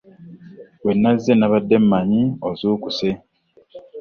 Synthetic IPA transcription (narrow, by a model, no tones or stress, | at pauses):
wenːazːenaβadːe̞mːaɲiozuːkuse